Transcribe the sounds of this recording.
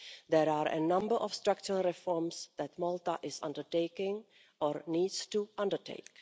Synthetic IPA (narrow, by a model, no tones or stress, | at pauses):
d̪ɛɹaːɹʔɛ̰nʌ̃mbəɹʔɔfstɹak̚t͡ʃuɹəlˠɹɛfɔɹmsd̪ɛtmɔltaʔɪsã̰ndəɹteɪkɪ̃ŋ | ʔɔːɹniːdstuʔʌ̃ndəɹtʰḛɪk